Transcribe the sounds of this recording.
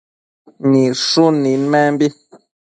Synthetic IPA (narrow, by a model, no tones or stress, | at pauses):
niʃuninmɛmbi